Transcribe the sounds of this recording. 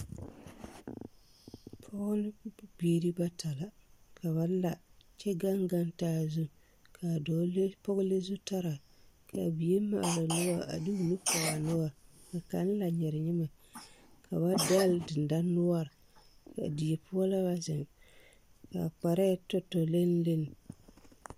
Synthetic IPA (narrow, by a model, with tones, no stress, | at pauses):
pʰʊ˦ɡlbi˦e˨ɾi˦ba˦tʰa˨la˨kʰa˨βa˨˦la˨t͡ʃɛ˦ɡa˦ŋɡa˦ntaː˦zu˦ | kʰa˨˦pɔ˦ɡle˦zu˦ta˦ɾa˨kʰa˨bi˨e˦ma̰˨ʔla˨nʊ˦wa˦a̰˨dɨ˦u˨nu˦pa˨ɣa˨nʊ˦a˦ɾka˨ka˨˦lla˨ɲɛ˨ɾɪ˨ɲɪ˦ma˨kʰa˨ba˦da˦ldɨ˨n˨da˦nʊ˦a˦˨ɾ | ka̰˨di˨e˨pʊ˦ɔ˦la˦ba˦zɪ˨ŋ | ka˨k͡pa˨ɾɛ˦tɔ˦tːɔ˨le˦n˦le˦nɪ˨